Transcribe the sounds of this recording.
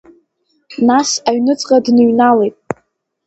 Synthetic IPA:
nasaɥnɨt͡sʼqʼadnɨɥnalejtʼ

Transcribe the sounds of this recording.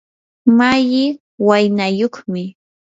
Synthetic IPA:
majɪ | wajnajoχmɪ

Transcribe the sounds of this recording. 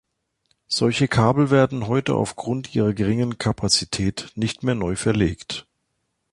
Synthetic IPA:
z̥ɔlçəkʰaːbl̩veːɐdn̩ɦɔʏtə̰ʔa̰ʊfɡ̥ʁʊntʔiːʁɐɡəʁɪŋənkʰapʰat͡sitʰɛːtnɪçtmeːɐnɔʏfɛɐleːkt

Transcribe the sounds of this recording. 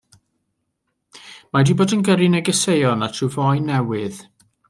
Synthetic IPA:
madiboːdənɡəɾinɛɡəsejɔnatʰrɨvɔjnɛwɨð

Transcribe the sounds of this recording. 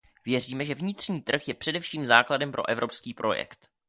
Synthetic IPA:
vjɛriːmɛʒɛvɲɪt̪r̝ɲiːt̪r̩xjɛpr̝̥ɛdɛfʃiːmzaːkladɛmpɾʔo̞̰ʔɛvɾo̞pskiːpɾo̞jɛ̰kt̪

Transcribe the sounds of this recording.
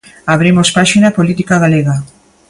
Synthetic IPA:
aβ̞ɾimospaʃinapolit̪ikaɣaleɣa

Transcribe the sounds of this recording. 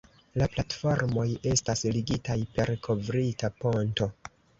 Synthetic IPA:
laplatfo̞ɾmo̞je̞stasliɡitajpe̞ɾkʰo̞vɾitapo̞nto̞

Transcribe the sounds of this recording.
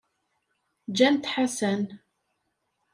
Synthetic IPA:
d͡ʒænt̪ħasæn

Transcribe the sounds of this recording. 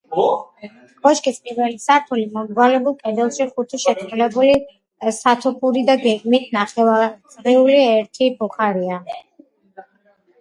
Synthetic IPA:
ɡ̥ɔʃkʼispʼiɾvɛlisaɾt̪ʰulimɔmɡwalɛbulˠkʼɛd̪ɛlˠʃiχut̪ʰiʃɛt̪ʰulɛbuli | sat̪ʰɔpʰuɾid̪aɡɛɡmit̪ʰnaχɛazʼɾɛuliɛɾt̪ʰibuχaɾia

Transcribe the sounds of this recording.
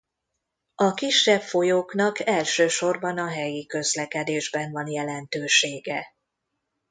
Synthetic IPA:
ɒkiʃːɛbfo̞joːknɒkɛlʃøːʃo̞rbɒnɒɦɛjikø̞zlɛkɛd̪eːʒbɛnvɒnjɛlɛnt̪øːʃeːɡɛ

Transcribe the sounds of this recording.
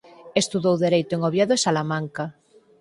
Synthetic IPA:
est̪uðowðeɾejt̪oeŋoβjaðoesalamãŋka

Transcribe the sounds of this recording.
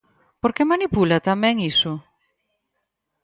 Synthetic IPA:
poɾkemanipulat̪amɛ̃ŋisʊ

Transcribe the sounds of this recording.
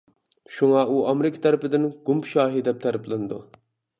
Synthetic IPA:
ʃuŋɑʔuɑmɾikʰə̥t̪ʰɛɾɪpɪd̪ɪnɡumpʃɑːɦid̪ɛp̚t̪ʰɛɾɪplɪnd̪u

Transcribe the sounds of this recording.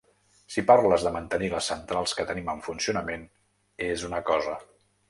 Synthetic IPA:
sipaɾləzðəmənt̪əniləsːənt̪ɾalˠskət̪əniməɱfunsiunəmen | ezunəkɔzə

